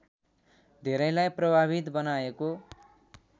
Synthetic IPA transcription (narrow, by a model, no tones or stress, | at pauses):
d̪ʱeɾʌjlajprʌbʱaβit̪bʌnaeko